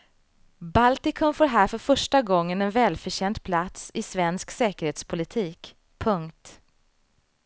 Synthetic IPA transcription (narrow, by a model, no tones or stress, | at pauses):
balt̪ɪkʰɵnfoːɾɦæːɾfœɾfœʂʈaɡɔŋːənɛnvɛːlfœɕɛnd̪pʰlat̪sɪsvɛnsksɛːkəɾheːt̪spʰʊlɪt̪ʰiːk | pʰɵŋkt̪